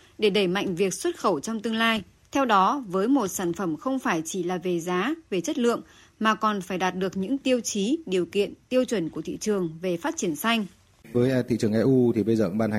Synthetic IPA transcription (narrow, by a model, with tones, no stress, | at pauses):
ɗe˧˩ɗə˧˩jma̰˧˨jŋ̟vi˨˩ək̚swə˦˥t̚xə˧˩wt͡ɕɔ˧wŋ͡mt̪ɨ˧əŋlaː˧j | t̪ʰɛ˧wɗɔ˨˦vəː˨˦jmo˨˩t̚saː˧˩nfə˧˩mxə˧wŋ͡mfaː˧˩jt͡ɕi˧˩laː˨˩ve˨˩zaː˨˦ve˨˩t͡ɕə˦˥t̚lɨ̰˧˨əŋ | maː˨˩kɔ˨˩nfaː˧˩jɗaː˨˩t̚ɗɨ˨˩ək̚ɲɨ̰˧˥ŋt̪i˧əwt͡ɕi˨˦ɗi˨˩əwkḭ˧˨ənt̪i˧əwt͡ɕwə˧˩nku˧˩ət̪ʰḭ˧˨t͡ɕɨ˨˩əŋve˨˩faː˦˥t̚t͡ɕi˧˩ənsa˧jŋ̟ | vəː˨˦jt̪ʰḭ˧˨t͡ɕɨ˨˩əŋʔɛ˧ʔu˧t̪ʰi˨˩ɓə˧jzə̰ː˨˧˦ɓaː˧nha˨